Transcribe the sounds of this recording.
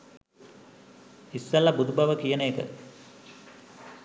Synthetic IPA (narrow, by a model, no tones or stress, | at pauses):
isːɐlːɐbud̪ubɐʋəkijəneːkə̰